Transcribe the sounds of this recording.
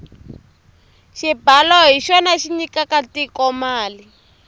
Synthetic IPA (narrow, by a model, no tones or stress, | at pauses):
ʃibalɔɦiʃɔnaʃiɲikakatikɔmaːli